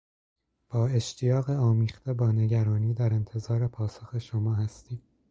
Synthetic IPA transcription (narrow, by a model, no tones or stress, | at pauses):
b̥ɒːe̞ʃt̪ʰijɒːɣeɒːmiːxt̪e̞bɒːne̞ɟæɾɒːniːd̪æɾe̞nt̪ʰe̞zɒːɾe̞pʰɒːsoxe̞ʃomɒːhæst̪iːm